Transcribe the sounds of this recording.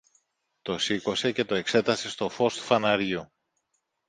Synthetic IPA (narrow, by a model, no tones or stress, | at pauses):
t̪o̞siko̞se̞ce̞t̪o̞e̞kse̞t̪ɐse̞st̪o̞fo̞st̪u̥fɐnɐɾʝiu